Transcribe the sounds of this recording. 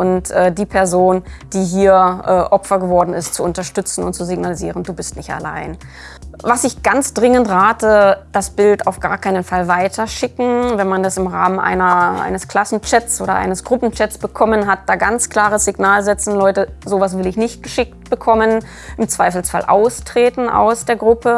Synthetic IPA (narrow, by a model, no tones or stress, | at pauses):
ʔʊntʔɛːdiːpʰɛɐzoːnd̥iːɦiːɐʔɛːʔɔpfɐɡəvɔɐdn̩ɪstt͡suʊntɐʃtʏt͡sn̩ʊnt̚t͡suzɪɡnalizḭːʁənduːbɪstnɪçta̰la̰ɪn | vasɪçɡ̥ant͡sd̥ʁɪŋəntʁaːtəd̥asb̥ɪltaʊfɡ̥a̰ːɐkʰaɪnənfalvaɪtʰɐʃɪkŋ̩vɛnmandasɪmʁa̰ːmənʔa̰ɪnɐʔa̰ɪnəskl̥asn̩t͡ʃɛt͡sʔoːɾɐ̰ʔa̰ɪnəsɡ̥ʁʊpn̩t͡ʃɛtt͡sb̥əkʰɔmənɦat̚d̥aːɡant͡skl̥aːʁəsz̥ɪɡnaːlzɛt͡sn̩lɔʏtəzoːvas̬v̥ɪlɪçnɪçt̚ɡ̥əʃɪk̚t̚b̥əkʰɔmən | ʔɪmt͡sv̥aɪfl̩sfalʔa̰ʊstʁ̥eːtn̩ʔa̰ʊsd̥eːɐɡʁʊpʰə